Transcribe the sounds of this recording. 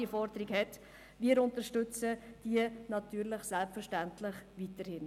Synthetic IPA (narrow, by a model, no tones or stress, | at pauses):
ifɔɾd̪əɾiɡhɛt | viːəɾʊntəʃtøt͡səd̥iənɑtyːɾləχsɛlpfəɾʃtæntlɪχʋitəɾhɪn